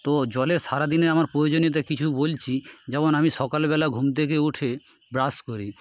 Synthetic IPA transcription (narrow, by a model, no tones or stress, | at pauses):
t̪od͡ʑɔleɾʃaɾad̪ineɾamaɾpɾojod͡ʑoniot̪akit͡ɕʰubolt͡ɕʰid͡ʑɛmonamiʃɔkalbɛlaɡʱumt̪̬ekeuʈʰe | bɾaskoɾi